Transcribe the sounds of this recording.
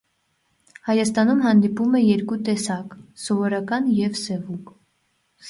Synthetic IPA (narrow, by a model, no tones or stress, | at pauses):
hɑjɑst̪ɑnumɦɑnd̪ipumɛjɛɾkut̪ɛsɑksɔvɔɾɑkɑnjɛvsɛvuŋk